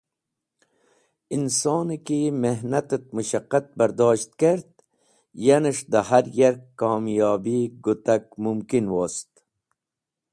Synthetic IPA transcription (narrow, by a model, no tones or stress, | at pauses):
insoːnikimeɦnat̪ət̪̚muʃaqːat̪̚bɐɾd̪ɑːʃt̪̚keɾd̪ | janəʂd̪ahaɾjaɾkːɑːmjɑːbiɡut̪ak̚mumkinwoːst̪